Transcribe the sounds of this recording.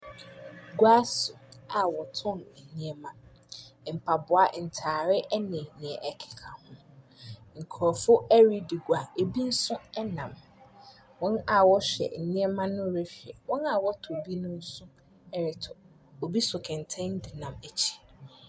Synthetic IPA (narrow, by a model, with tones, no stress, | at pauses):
ɡwa˦sʊ˨a˨wɔ˨tʰɔ̃˦˨mɛ˨nĩ˦ɛ˦mã˦˨ | m̩˨pʰa˨bʊ˨a˨n̩˨tʰaː˨ɾɪ˦ʔɛ˦nɪ̃˨nɪ̃˨ɛ˨ʔɛ˨kʰɪ̥˨kʰa˨hʊ̃˦ | ŋ̩˨kʰɔ˨fʊ˦ɛ˦ɾi˦dɪ˨ɡwa˨e˨bi˦n̩˦sʊ̃˦ɛ˦nã˨m | wɔ̃˦na˨wɔ˦ɕɛ̰˨nĩ˦ɛ˦mã˦nʊ̃˦˨ɾe˦fɪ˨ɛ˨wɔ̃˦na˨wɔ˦tʰʊ˨bi˦nʊ̃˦n̩˦sʊ̃˦ | ɛ˦ɾɪ˨tʰʊ˨ | o˨bi˦sʊ˨kʰɛ̃˨ntʰẽ˦n˦dɪ˨nã˨mæ˨t͡ɕʰi̥˦˨